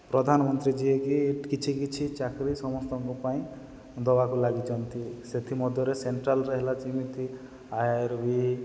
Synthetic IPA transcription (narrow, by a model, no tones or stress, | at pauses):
pɾɔd̪ʱanɔmɔnt̪ɾid͡ʒiekieʈkit͡ʃʰikit͡ʃʰit͡ʃakɾisɔmɔst̪ɔŋkupaĩ | d̪ɔbakulaɡit͡ʃʰɔnt̪iset̪ʰimɔd̪ʱjɔɾeseɳʈɾalɾeɦelat͡ʃimit̪ʰi | ajaɾbi